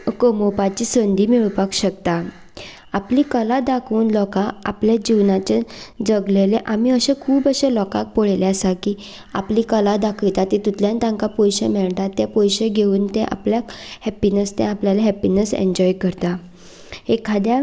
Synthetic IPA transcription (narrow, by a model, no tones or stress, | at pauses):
kəmopat͡ɕisənd̪ʱiːmiɭupakɕəkt̪a | apliːkəlad̪akʰuːnlɔkaa̰pljad͡ʑiwnat͡ɕad͡zəɡleleʔamiəɕẽkʰuːbəɕelɔka̰k̚poɭeleəsaki | a̰pliːkəlad̪akʰəjt̪at̪it̪ut̪ljãnt̪ãŋkapɔjɕemɛɭʈ̪at̪ːepɔjɕeɡʱeuːnt̪ɛ̃ʔa̰pljakhɛpinəst̪ɛ̰̃apljalaɦɛpinəsḛɲd͡ʑɔjkəɾt̪a | hekʰad̪ja